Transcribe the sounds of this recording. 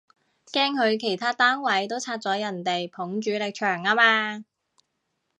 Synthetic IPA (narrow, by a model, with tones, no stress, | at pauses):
kɛː˥ŋhɵ˨˧ɥkʰe˨˩jt̪ʰaː˥t̪aː˥ŋwɐ˨˥jt̪o˥wt͡sʰaː˧t̚t͡sɔː˨˥jɐ˨˩nt̪e˨jpʰʊ˨˥ŋt͡ʃyː˨˥lɪ˨k̚t͡ʃʰœː˨˩ŋaː˥maː˧